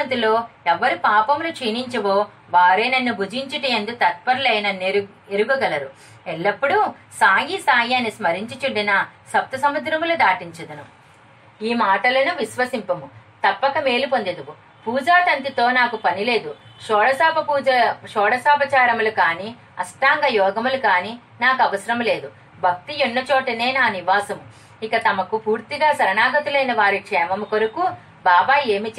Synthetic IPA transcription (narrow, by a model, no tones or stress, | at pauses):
ɐnt̪ilo̞ːɛʋːɐɾupaːpɐmlut͡ʃiːniɲt͡ʃɐʋoː | ʋaːɾeːnɐnːubʱud͡ʒiɲt͡ʃiʈijend̪ut̪ɐt̪̚pɐɾɐlɐjnɐne | eɾuɡuɡɐlɐɾu | eɭːɐpːuɽu | saːjisaːjiɐnismɐɾiɲt͡ʃit͡ʃuɳɖinɐsɐp̚t̪ɐsɐmɐd̪ɾɐmlud̪aːʈiɲt͡ʃɐd̪ɐnu | iːmaːʈɐlɐnuʋiʃʋɐsimpɐmut̪ɐpːɐkɐme̞ːlipo̞nd̪ed̪uʋu | puːd͡ʒaːʈɐnt̪it̪o̞ːnaːkupɐnile̞ːd̪uʃɔːɽɐsaːpɐpuːɐʃɔːɽɐsaːpɐt͡ʃaːɾɐmulukaːniː | ɐ̰sʈaːŋɡɐjɔːɡɐmulukaːniː | naːkuɐʋɐsɐɾɐmɐle̞ːd̪u | bʱɐk̚t̪ionːɐt͡ʃɔːʈɐne̞ːnaːniʋaːsɐmu | ikɐt̪ɐmɐkupuːɾt̪iɡaːsɐɾɐnaːɡɐt̪ulɐjnɐʋaːɾikʂɛːmɐmukoɾuku | baːbaːe̞ːmit͡ʃ